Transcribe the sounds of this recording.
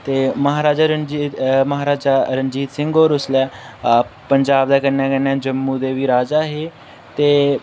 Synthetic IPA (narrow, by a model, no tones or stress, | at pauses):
t̪eːməɦaːɾaːd͡ʒaːɾəd͡ʒməɦaːɾaːd͡ʒaːɾənd͡ʒiːt̪sɪ̃ŋɡoːɾʊslɛː | pəɲd͡ʒaːbd̪aːkənɛ̃ːkənːɛ̃ːd͡ʒəmːũːd̪eːʋiːɾaːd͡ʒaːɦeː | t̪eː